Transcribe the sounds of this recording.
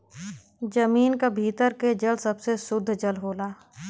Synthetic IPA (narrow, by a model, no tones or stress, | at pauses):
d͡ʒəmiːnkabʱiːt̪əɾked͡ʒəlsəbsesʊd̪ʱːd͡ʒəlɦoːlaː